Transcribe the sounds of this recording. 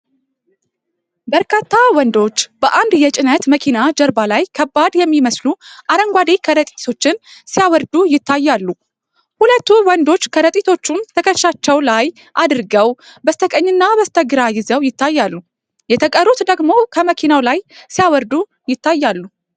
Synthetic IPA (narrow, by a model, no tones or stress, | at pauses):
bəɾkʰat̪ʰːawɔnd̪o̞t͡ʃːbəʔand̪jɛt͡ʃʼɪnət̪məkʰinad͡ʒəɾbalajkʰəbːad̪jɛmːiməsluʔaɾəŋɡʷad̪ekʰəɾət̪ʼit̪ʰo̞t͡ʃːɪnsijawɔɾd̪ujɪt̪ːajːalːu | hulət̪ːuwɔnd̪o̞t͡ʃːkʰəɾət̪ʼit̪ʰo̞t͡ʃːumt̪ʰəkʰəʃat͡ʃːɛwlaj | ʔad̪ɨɾɡəwbəst̪ʰəkʼəɲːɨnːabəst̪ʰəɡɨɾajɪzəwjɪt̪ːajːalːu | jɛt̪ʰəkʼəɾːut̪d̪əɡmo̞kʰəməkʰinawlajsijawəɾd̪u | jɪt̪ʰːajːalːu